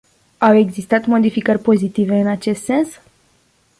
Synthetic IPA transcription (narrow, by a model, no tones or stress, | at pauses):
awe̞ɡzist̪at̪mo̞d̪ifikərʲpo̞zit̪ive̞ɨnat͡ʃe̞st̪se̞ns